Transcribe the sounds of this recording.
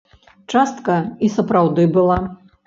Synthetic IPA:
t͡ʂast̪kɐisɐpɾawd̪ɨbɨlˠa

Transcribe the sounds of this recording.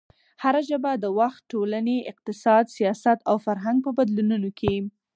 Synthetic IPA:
haɾaʒəbad̪əwaxt̪̚ʈolaneɪq̚t̪ɪsɑd̪sijɑsat̪awfaɾɦaŋɡ̚pəbad̪lununokʰe

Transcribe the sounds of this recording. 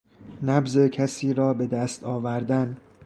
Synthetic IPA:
næbze̞cʰæsiːɾɒːbe̞d̪æst̪ɒːvæɾd̪æn

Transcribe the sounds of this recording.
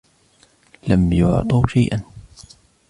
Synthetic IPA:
lamjʊ̰ʕt̪ˤɑwʃajʔan

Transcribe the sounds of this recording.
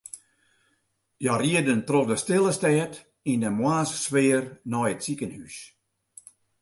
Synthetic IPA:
jɔriədəntrofdəstɪlˠəstɛːt | indəmwaːsswɪərnɔjətsikənhys

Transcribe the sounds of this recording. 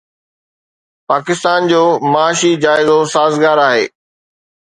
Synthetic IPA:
paːkɪst̪aːnd͡ʑoːmaaːʃid͡ʑaːɪzosaːzɡaːɾaːɦḛː

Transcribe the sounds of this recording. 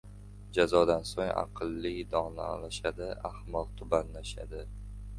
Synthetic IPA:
d͡ʒazɒd̪ansoŋa̰qʰɨlˠːɪd̪ɒna̰a̰laʃad̪ɪahmɒlˠt̪ʰʊbanlaʃa̰d̪ɪ

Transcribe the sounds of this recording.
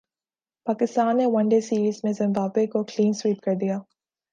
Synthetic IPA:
paːkɪst̪aːnːewɐ̃ɳɖesiːɾiːzmẽzɪ̃mbaːbwekokliːnswiːp̚kɐɾd̪ijaː

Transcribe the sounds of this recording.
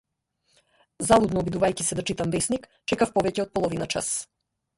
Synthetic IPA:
zalˠud̪nɔːbid̪uvajcisɛd̪at͡ʃit̪amvɛsnik | t͡ʃɛkafpɔvɛcɛɔt̪̚pɔlˠɔvinat͡ʃa̰s

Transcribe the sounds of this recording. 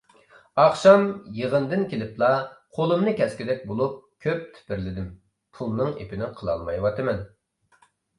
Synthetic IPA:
ɑχʃɑmjəʁənd̪ɪnkʲʰelɪplˠɑqʰolˠɨmnɨkʲɛskʲid̪ɛk̚ʲbolˠup̚kʲʰøp̚t̪ʰɪ̥pɪɾlɪd̪ɪm | pʰulˠnɨŋḛpɪnɪqʰəlˠɑ̰lˠmɑjwɑt̪ʰɨmɛn

